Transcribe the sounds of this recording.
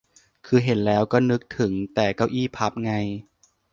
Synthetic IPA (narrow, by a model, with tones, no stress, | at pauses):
kʰɯː˧ɦe˩˦nlɛː˦˥wkɔː˥˩nɯ˦˥k̚t̪ʰɯ˩˦ŋt̪ɛː˨˩kɔː˥˩wʔiː˥˩pʰa˦˥p̚ŋa˧j